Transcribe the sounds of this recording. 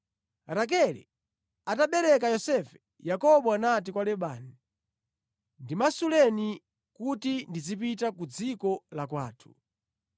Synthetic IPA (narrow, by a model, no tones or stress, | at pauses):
ɾak̬ɛlɛ̰ | ataɓɛɾɛkajɔsɛfɛ̥ | jakɔɓɔanat̬ikwalɛɓaːni | ndimasulɛni | kutindid͡zipitakud͡zikɔlakwaːtʰu̥